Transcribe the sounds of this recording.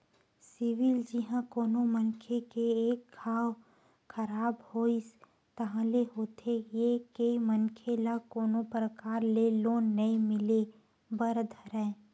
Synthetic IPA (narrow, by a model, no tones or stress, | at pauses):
sɪʋɪld͡ʒɪɦãkoːnomənkʰekeeːkːʰaːw | kʰəɾaːbhoːis | t̪ɐɦãleɦoːt̪ʰejekeimənkʰelakoːnopɾəkaːɾleloːnːɐĩmɪle | bəɾd̪ʱəɾɛ̃